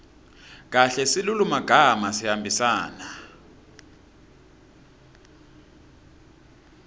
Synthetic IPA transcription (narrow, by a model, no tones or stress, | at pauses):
k̬aɬɛsilulumaɡ̥ʱamasihambʱisaːna